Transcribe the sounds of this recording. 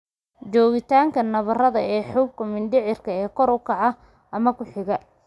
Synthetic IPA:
t͡ʃɔːɣɪt̪ʰaːŋkʰɐnɐβɐrɐðɐɛːħuːb̚kʰɐmɪnd̪ɪʕɪrkʰɐɛːkʰɔɾʊkʰɑʕɑ | ʔɐmɐkʰʊħɪɣɐ

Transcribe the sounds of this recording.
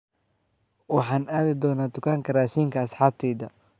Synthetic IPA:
wɑħɑːnaːðɪd̪ɔːnaːd̪ʊkʰaːŋkʰɐraːʃiːŋkʰɐːsħɑːb̚t̪ʰɛːðɐ

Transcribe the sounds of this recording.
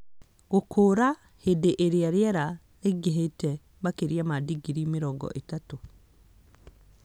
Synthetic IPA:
ɡokʰoːɾa | hedeʔeɾeaɾjɛɾa | ɾeɡeɦetɛ | bakeɾiamadiɡiɾimeɾɔŋɡɔ̰ʔetato

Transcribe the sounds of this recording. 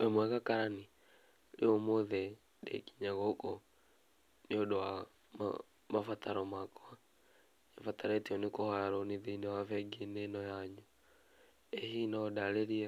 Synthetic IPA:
ɛmwɛɣakaɾani | ɾeomoðɛ | dɛ̰ki̥ɲaɣɔkɔ | neodowa | m̰ | mafataɾɔmakɔa | ɛfataɾɛtiɔnekohaaɾɔneðeinɛwafɛɡenɛnɔjaɲu | ɛhinɔdaɾeɾiɛ

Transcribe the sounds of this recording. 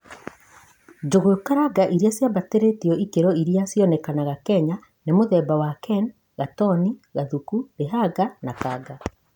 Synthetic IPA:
d͡ʒoɣokaɾaɡaʔiɾiasjabateɾetiɔʔikeɾɔiɾiasjɔnɛkanaɣakɛɲa | nemoðɛbawakɛn | ɣatɔniɣaðukuɾeɦaɡanakaɡa

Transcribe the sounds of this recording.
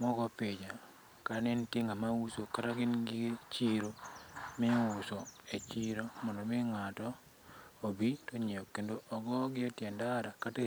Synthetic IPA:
mɔɡɔpɪd͡ʒa | kaɾanɛnteŋamawusokaɾaɡɪnɡɪt͡ʃiɾomɪusoet͡ʃiɾomɔndomɪŋatɔ | obitoɲeokendoʔɔɡɔɡɪɔtjɛndaɾakate

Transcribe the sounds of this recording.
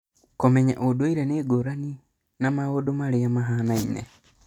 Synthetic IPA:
komɛɲa̰ʔodoiɾɛneːɡoɾani | namaɣodomaɾeamaɦanainḛ

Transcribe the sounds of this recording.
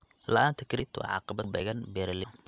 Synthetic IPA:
lɐ̰ʔaːnt̪ʰɐkʰɾɪt̪ʰwɑ̰ʕɑ̰ːqɑbɐbɛ̰ɣɐnbɛɾɐlɪ

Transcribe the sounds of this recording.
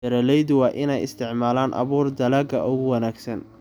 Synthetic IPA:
ɐɾɐlɛjðʊwɑːʔɪnɛjɪ̰st̪ʰɪʕmaːlaːnʔɐ̰βuːrd̪ɐlɐɡɐʔʊɣʊwɐnaːɡsɐn

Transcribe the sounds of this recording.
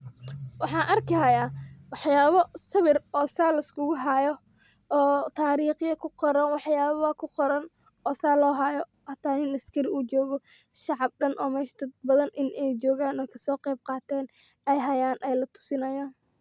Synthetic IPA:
wɑħɑːnʔɐrkɐɦɐjaːwɑħjaːβɔsɐβɪrɔːsaːlɐɪskʰʊɣʊɦajɔː | t̪ʰaːɾiːχɪjɐkʰʊqɔɾɐnwɑħjaːββɐkʰʊqɔɾɐn | ɔːsaːlɔːɦɐjɔ | hɐt̪ʰaːɪnɐskʰɐɾɪuːt͡ʃɔːɣɔ | ʃɑʕɑb̚ɖɐnʔɔːmɛːʃt̪ʰɐbɐðɐnʔɪnʔɛjt͡ʃɔːɣaːnɔːkʰɐ̥sɔːqɛjb̚qɑːt̪ʰɛːn | ɛjɦɐjaːnʔɛjlɐt̪ʰʊ̥sɪnɐjaːn

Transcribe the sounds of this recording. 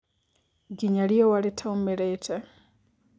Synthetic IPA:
ɡiɲaliowalitʰaumeɾetʰe

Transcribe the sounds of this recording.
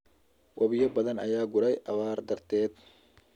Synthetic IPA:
wʔɐβɪjɐbɐðɐnɐ̰jaːɡʊɽɛjʔɐβaːrd̪ɐrt̪ʰɛːd̪̚

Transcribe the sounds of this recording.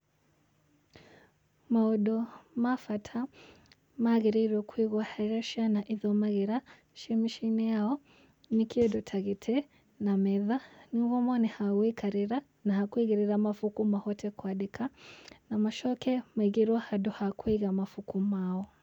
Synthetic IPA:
maɔɗɔmafatʰa | maɣiɾiɾɔkʰwiɣwahaɾaʃanaʔiðɔmaɣiɾa | ʃimiʃinɛaɔ | nikiɔdɔtʰaɣitʰɛ | namɛðaniuɣɔmɔnihaɣwikaɾiɾa | nahakwiɣiɾiɾamafukumahɔtʰɛkwaɗikʰanamaʃɔkɛmiɣiɾwahadɔhakwiɣamafukumaɔ

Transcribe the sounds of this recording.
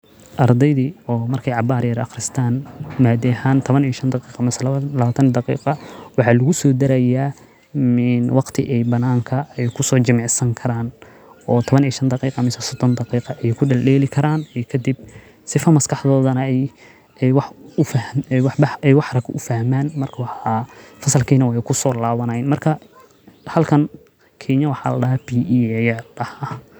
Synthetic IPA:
ʔɑrd̪ɛjðiːɔːmɐrkʰɛjʕɑbaːɾjɐɾɑ̰χɾɪst̪ʰaːnmaːd̪ɛhaːnt̪ʰɔβɐniːʃɐnd̪ɑqiːqɑmɪsɐlɐβaːt̪ʰɐnd̪ɑqḭːqɑwɑħɑːlʊɣʊsɔːd̪ɐɾɐjaː | mɪnwɑqt̪ʰɪʔɛjbɐnaːŋkʰɐɛjkʰʊsɔːt͡ʃɪmɑʕsɐŋkʰɐɾaːn | ɔːt̪ʰɔβɐniːʃɐnd̪ɑqiːqɑmɪsɐsɔd̪ɔnd̪ɑqiːqɑʔɛjkʰʊɖɐlɛːlɪkʰɐɾaːnɛjkʰɐd̪ɪb̚ | sɪfɐmɐskʰɑħðɔːðɐnɐɛj | wɑħʊfwɑħbɑɛjwɑħɾɐɡʰʊ̰fɐhmaːnmɐrkʰɐwɑħɑfɐsɐlkʰiːnɐwɛjkʰʊsɔːlaːβɐnɐjnmɐrkʰɐ | hɐlkʰɐn | kʰɛːɲɐwɑħɑ̰ːlɐ̰ɖɐɦabiːjrɐha

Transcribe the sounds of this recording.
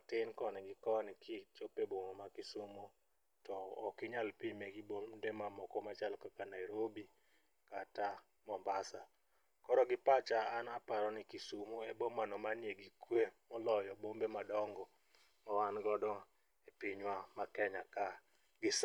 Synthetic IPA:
tɪnkɔnɪɡɪkɔnɪkʰɪt͡ʃopeboŋomakɪsumo | tɔːkɪɲalpimeɡibomdemamɔkɔmat͡ʃalkakanaɪɾobi | kata | mɔmbasa | kɔɾɔɡɪpat͡ʃaanapaɾɔnɪkisumoebomanɔmanjeɡikwemɔlɔjɔbombemadɔŋɡɔ | mawanɡɔdɔ | epɪɲwamakɛɲaka | ɡɪs

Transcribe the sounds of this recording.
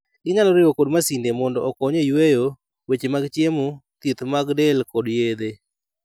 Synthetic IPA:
ɡɪɲalɔɾɪwokodmasindemɔndɔɔkɔɲejwejo | wet͡ʃemaɡt͡ʃjemut̪it̪maɡdɛlkɔdjed̪e

